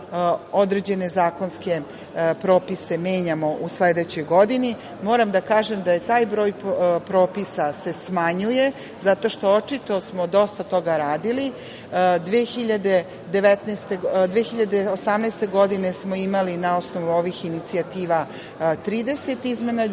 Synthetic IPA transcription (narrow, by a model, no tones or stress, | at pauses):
o̞d̪ɾe̞d͡ʑe̞ne̞zaːko̞nske̞ | pɾo̞ːpise̞me̞ːɲamo̞ʔusled̪et͡ɕo̞jɡo̞d̪ini | mo̞ːɾamd̪akaːʒe̞md̪aje̞t̪aːjbɾo̞ːjpɾo̞ːpisase̞smaɲuje̞ | zat̪o̞ʃt̪o̞ot͡ʃit̪o̞smo̞d̪o̞st̪at̪o̞ɡaɾaːd̪ili | d̪ʋeːxiʎad̪e̞ | d̪e̞ʋet̪nest̪ed̪ʋeːxiʎad̪eosamnest̪e̞ɡo̞d̪ine̞smo̞imalinao̞sno̞ʋuo̞ʋixinit̪siat̪iːʋa | t̪ɾiːd̪e̞se̞t̪izme̞na